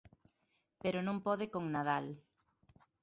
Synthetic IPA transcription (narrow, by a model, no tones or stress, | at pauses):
peɾonõŋpɔðɪkoŋnaðal